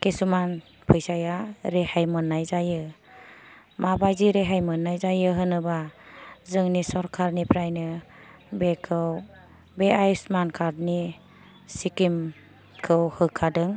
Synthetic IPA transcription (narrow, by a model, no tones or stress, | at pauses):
kesuman | pʰɯjsajaɾehajmɯnːajzajɯ | mabajziɾeɦajmɯnːajzajɯɦɯnɯbazɯŋnisɔɾkʰaɾnipʰɾajnɯ | bekʰɯw | beajsmankʰaɾni | sikim | kʰɯwhɯkʰːadɯŋ